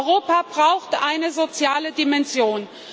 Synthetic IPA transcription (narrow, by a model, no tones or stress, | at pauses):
ʁoːpabʁaʊxtʔaɪnəzot͡sjaːlədimɛnzjoːn